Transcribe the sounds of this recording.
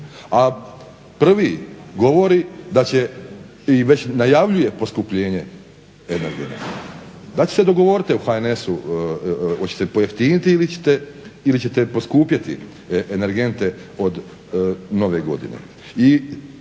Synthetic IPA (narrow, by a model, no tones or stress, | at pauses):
a | pr̩ʋiɡo̞ʋo̞ɾid̪at͡ɕe | iʋet͡ɕnajaʋʎuje̞po̞skupʎeːɲe | eneɾɡen̰d̪at͡ɕesed̪o̞ɡo̞ʋo̞ɾit̪iuxaene̞su | ot͡ɕet̪epo̞jeft̪init̪iilit͡ɕe̥t̪eilit͡ɕet̪epo̞skuːpjat̪ḭ | ene̞ɾɡe̞nt̪e̞o̞d̪ | no̞ʋe̞ɡo̞̰d̪ḭnḛ | i